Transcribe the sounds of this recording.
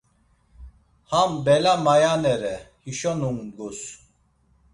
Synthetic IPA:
hambɛlamajanɛɾɛhiʃɔnuŋɡus

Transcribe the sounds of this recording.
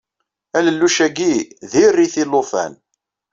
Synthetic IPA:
æləlːuʃæɡiðirːiθilofæ̰n

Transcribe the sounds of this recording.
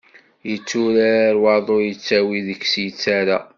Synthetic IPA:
jət͡sːuɾaɾaɾwɑðˤojət͡sːæwiðəçsjət͡sːaɾa̰

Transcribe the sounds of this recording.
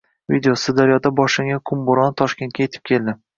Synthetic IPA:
vḭd̪eosɪd̪aɾjɒd̪abɒʃlɪŋʲakʰʊmbʊɾɒnt̪ʰɒʃkʲe̞nt̪̚kʲaje̞t̪ʰɪ̥p̚kʲʰe̞ld̪ɪ

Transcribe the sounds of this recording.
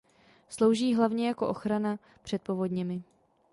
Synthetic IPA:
slo̞wʒiːɦlavɲɛjako̞ʔo̞xɾana | pr̝̥ɛt̪̚po̞vo̞dɲɛmɪ

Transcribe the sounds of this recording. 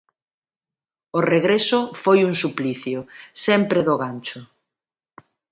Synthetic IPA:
oreɣɾesʊfojuŋsupliθjʊsɛmpɾeðoɣant͡ʃʊ

